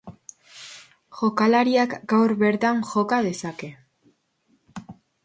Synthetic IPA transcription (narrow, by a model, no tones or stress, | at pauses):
ʝo̞kalaɾiakɡawɾβeɾt̪aŋʝo̞kað̞e̞sake̞